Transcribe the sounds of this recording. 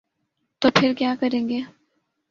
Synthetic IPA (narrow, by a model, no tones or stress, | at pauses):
t̪oːpʰɪɾkjaːkəɾẽːɡeː